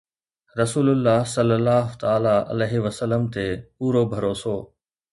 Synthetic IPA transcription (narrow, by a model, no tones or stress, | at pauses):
ɾɐsuːlʊlːaːɦsɐlːəlːaːɦʊt̪aːlaʔɐ̰leːɦiʋəsələmt̪epuːɾobʱɐɾoːsoː